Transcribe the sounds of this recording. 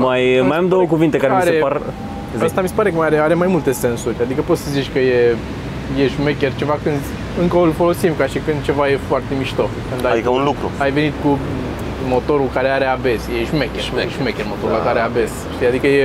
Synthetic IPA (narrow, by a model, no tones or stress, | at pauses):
majmajamd̪owəkuvint̪ekaɾemsɾe | zəst̪amise̞paɾe̞kəmajaɾeaɾe̞majmult̪e̞se̞nsuɾʲad̪ikəpo̞t̪səzit͡ʃʲkəje | jeʒumekʲert͡ʃe̞vakɨnd̪ | ɨŋkəolfo̞lo̞simkaʃikɨnd̪̚t͡ʃe̞vaje̞foart̪e̞miʃt̪okɨnd̪aikunlukɾṵajve̞nit̪ku | mo̞t̪o̞ɾulkaɾe̞aɾe̞abe̞sjeʒmekʲemeʒmekʲermo̞t̪oɾulakaɾeabes | ʃt̪ijad̪ikəje̞